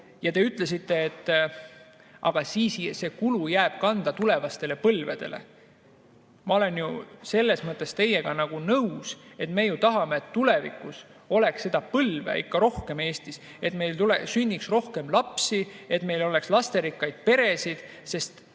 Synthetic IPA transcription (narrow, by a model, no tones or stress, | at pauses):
jɑt̪e̞yt̪ːˑle̞s̬it̪ːe̞ːt̪ːˑ | ʔɑ̰ɡ̥ɑsiːsse̞ːkulujæːb̥kɑnd̪̥ɑt̪ule̞vɑst̪e̞le̞pɤlved̪̥e̞̰le̞̰ | mɑo̞le̞njuse̞lːe̞smɤt̪ːˑest̪e̞je̞ɡ̥ɑnɑɡ̥unɤuse̞t̪me̞ːjut̪ɑɦɑmeːt̪ːule̞vḭkus | o̞le̞ksːe̞d̪̥ɑpɤlvḛḭkːɑɾo̞hke̞me̞ːst̪is | e̞t̪me̞jlt̪ulesynʲːiksro̞hke̞mlɑpsie̞t̪ːme̞jlo̞lekslɑst̪e̞ɾikːˑɑjd̪̥̚pe̞ɾe̞sid̪̥ | se̞st̪